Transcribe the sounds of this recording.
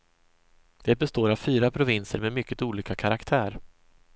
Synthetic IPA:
d̪̥ɛbɛst̪oːɾav̥fyːɾapʰɾʊvɪnsəɾmɛmʏkːət̪uːliːkakʰaɾakt̪ʰæːɾ

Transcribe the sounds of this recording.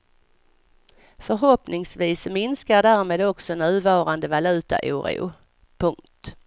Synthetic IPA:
fœɾɦɔpnɪŋsviːsmɪnskaɖæːɾmeːd̪ɔksɔnʉ̟ːvɑːɾand̪əvalʉ̟ːt̪a̰ʔṵːɾɪ̰ʊ | pʰɵŋkt̪

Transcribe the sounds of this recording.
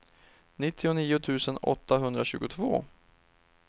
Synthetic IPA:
nɪt̪ʰːɪʊniːʊt̪ʰʉ̟ːsənɔ̰t̪ʰːaɦɵnd̪ɾaɕʉ̟ːɡʊt̪ʰvo̰ː

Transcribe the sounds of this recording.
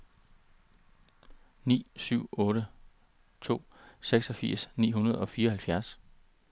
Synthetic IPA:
nḭːsyʊ̰ɔ̽ːɾə | t͡sʰo̝̰ːseɡ̥sɒ̽fiɐ̰snḭːɦunɐð̞ˠɒ̽fiːɐhælfjæɐs

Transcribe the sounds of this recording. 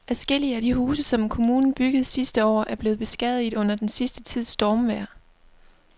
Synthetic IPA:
ʔæsɡ̥el̰iəæɾ̥ihuːsəsɒ̽mkʰo̝muːnn̩b̥yɡ̥əð̩ˠsisd̥əɒ̰ːæɐb̥le̝ːð̞̩ˠb̥e̝sɡ̥ɛð̰ˠið̩ˠɔ̽n̰ɐd̥ensisd̥ət͡sʰið̞̰ˠsd̥ɒːmʋæɐ̰

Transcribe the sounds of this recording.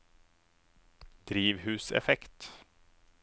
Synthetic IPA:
d̪̥ɾiːʋɦʉːsɛ̰fɛkt̪

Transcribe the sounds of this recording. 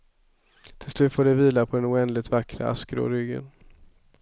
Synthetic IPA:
t̪ʰɪlslʉ̟ːt̪foːɖɛviːlapʰɔd̪ɛnʊɛnd̪lɪt̪vakːɾa̰a̰skɾo̰ːɾʏɡːə̰n

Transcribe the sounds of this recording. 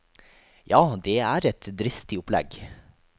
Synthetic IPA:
jɑːd̪ɛæːɾɛt̪d̪ɾɪst̪ɪʊplɛ̰ɡ

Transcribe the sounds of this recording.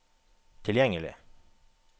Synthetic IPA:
t̪ʰɪljɛŋəlɪ̰

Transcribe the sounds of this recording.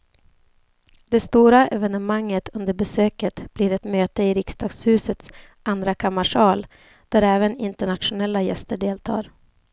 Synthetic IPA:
d̪̥ɛst̪uːɾaʔɛvɛnəmaŋːət̪ʰɵnd̪əɾbɛsøːkət̪b̥liɾɛt̪møːt̪əɪɾɪkst̪ɑːɡ̥shʉ̟ːsət̪s | and̪ɾakʰamaʂɑːl | d̪̥æɾɛːvənɪnt̪əɳat̪ɧʊnɛlːajɛ̰st̪əɖeːlt̪ʰɑ̰ːɾ

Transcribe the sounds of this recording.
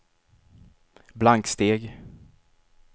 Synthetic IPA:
blaŋkst̪eːɡ

